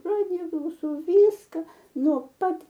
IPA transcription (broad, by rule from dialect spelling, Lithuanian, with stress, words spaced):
ˈrɑːdʲɪjɛ klˠɐʊˈsɐʊ ˈʋʲiːskɐ ˈnoː ˈpɐt